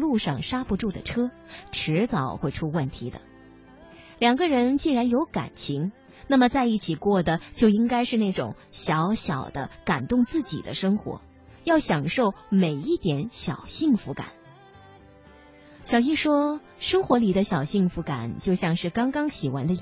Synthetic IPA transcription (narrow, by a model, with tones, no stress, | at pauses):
lu˥˧ʂɑ˥˩ŋʂa˥pu˧˥ʈ͡ʂu˥˩d̪ə̰˩ʈ͡ʂʰɤ˥ | ʈ͡ʂʰɻ̩˧˥t͡sɑ˨˩ʊxwe˥˩ɪʈ͡ʂʰu˥wə˥˩nt̪ʰi˧˥d̪ə̰˧ | ljɑ˨˩ŋɡə˦ɻə˧˥nt͡ɕi˥˩ɻa˧˥njo˧˥ʊka̰˨˩nt͡ɕʰi˧˥ŋ | na˥˩mə˩t͡sa˥˧ɪi˥˩t͡ɕʰi˨˩kwɔ˥˩d̪ə˩t͡ɕjo˥˩ʊi˥ŋka˥ɪʂɻ̩˥˧na˥˩ɪʈ͡ʂʊ̰˨˩˦ŋ | ɕjɑ˧˥ʊɕjɑ̰˨˩ʊd̪ə̰˦ka˨˩nt̪ʊ˥˧ŋt͡sɹ̩˥˩t͡ɕḭ˨˩d̪ə̰˦ʂɤ˥ŋxwɔ̰˧˥ | jɑ˥˩ʊɕjɑ˨˩ŋʂo˥˩ʊme˨˩ɪi˥˩t̪jɛ˧˥nɕjɑ˨˩ʊɕi˥˩ŋfu˧˥ka̰˨˩˦n | ɕjɑ˨˩ʊi˥ʂwɔ˥ | ʂɤ˥ŋxwɔ˧˥li˨˩d̪ə˦ɕjɑ˨˩ʊɕi˥˩ŋfu˧˥ka̰˨˩˦nt͡ɕjo˥˧ʊɕjɑ˥˧ŋʂɻ̩˥˩kɑ˥ŋkɑ˥ŋɕi˨˩xwa˧˥nd̪ə˧